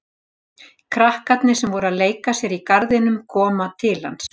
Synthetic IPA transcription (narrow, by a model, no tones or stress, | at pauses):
kʰɾahkat̪nɪsɛmvɔɾʏaðleːjkasjɛɾikaɾðɪnʏmkʰɔːmat̪ʰɪlha̰ns